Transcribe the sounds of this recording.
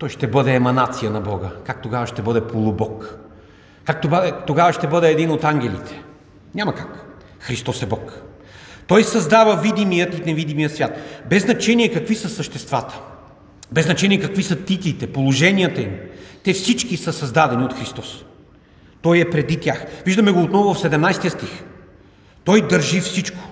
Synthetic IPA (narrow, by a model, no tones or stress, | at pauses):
t̪ɔjʃt̪ɛbɤd̪ɛːmɐnat̪sijənɐbɔɡəkak̚t̪oɡavəʃt̪ɛbɤd̪ɛpʰolˠʊbɔk | kakt̪obt̪oɡavəʃt̪ɛbɤd̪ɛɛd̪inot̪aŋɡʲɛlḭt̪ʰɛ̥ | nʲamɐkak | xɾist̪ɔsɛbɔk | t̪ɔjsɐzd̪avəvid̪imijət̪inɛvid̪imijət̪svʲjat̪bɛznɐt͡ʃɛnʲiɛkɐkvisəsəʃt̪ɛst̪va̰t̪ə̥ | bɛznɐt͡ʃɛnijɛkɐkvisɐt̪it̪lit̪ɛpolˠoʒɛniət̪ɐimt̪ɛfsit͡ʃkisəsɐzd̪ad̪ɛniot̪xɾist̪ɔs | t̪ɔjɛpɾɛd̪it̪ʲaxviʒd̪ɐmɛɡoːt̪nɔvʊɐfsɛd̪ɛmnajst̪ijət̪st̪ix | t̪ɔjd̪əɾʒifsit͡ʃkʊ̥